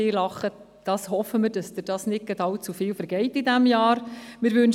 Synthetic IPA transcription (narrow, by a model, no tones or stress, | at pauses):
ɪːlɑχə | d̥ɑːshɔfəmɪɾdɑsd̥̪əd̥ɑːsnɪt̚ɡ̥ədɑlt͡sufɪːlfəɾɡɛɪtidæmjɑːɾmɪɾʋʉn